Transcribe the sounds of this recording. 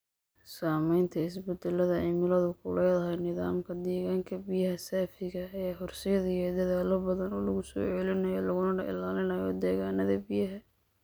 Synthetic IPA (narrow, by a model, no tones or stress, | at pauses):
saːmɛjnt̪ʰɐɪsbɛd̪ɛlɐðɐɛjmɪlɐðʊkʰʊlɛjðɐɦɛjnɪða̰ːmkʰɐd̪ɛːɣaːŋkʰɐbɪjɐɦɐsaːfɪɣɐɐaːhʊrsɪjɐðɐjɛd̪ɐðaːlɔbɐðɐnɔːlɐɣʊsɔ̰ːʕɛlɪnɐjɔːlɐɣʊnɐɖɐ̰ɪ̰laːlɪnɐjɔd̪ɛːɣaːnɐðɐbɪjɐɦɐ